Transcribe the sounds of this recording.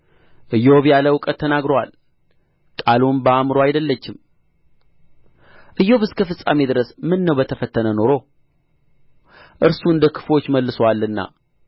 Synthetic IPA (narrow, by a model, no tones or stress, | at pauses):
ʔɨjːoβjaləwʊkʼət̪ʰːənaɡɾowa̰l | kʼalumbəamɾoajd̪əlːət͡ʃːɪm | ʔɨjːo̞βɨskʰəfɨsʼa̰me̞d̪ɨɾəsmɨnːəwbət̪ʰəfət̪ʰːənəno̞ɾo̞ | ʔɨɾsuɨnd̪əkʰɨ̥fo̞t͡ʃːməlːɨsowalːɨnːa̰